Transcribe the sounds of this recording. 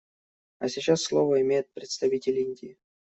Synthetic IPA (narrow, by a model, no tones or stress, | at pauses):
ɐsʲɪt͡ɕasːlˠovəɪmʲejɪt̪̚pɾʲɪt̪st̪ɐvʲitʲɪlʲinʲdʲɪɪ